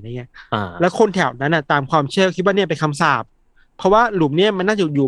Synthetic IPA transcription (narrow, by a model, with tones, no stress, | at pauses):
a˧˩ŋi˦˥a˧lɛː˦˥wkʰo˧nt̪ʰɛ˨˩˦wna˦˥nːʔa˧˨˩t̪aː˨mkʰwaː˧mt͡ɕʰɯ˥˩˨kʰi˦t̪̚waː˥˧ni˥˩ɐpe˧nkʰa˧msaː˧˥˩p̚ʰː | ɔ˦˥waː˥˩lu˨˩˦mni˥˩ɐma˧nːaː˥˩t͡ɕa˨˩juː˨˩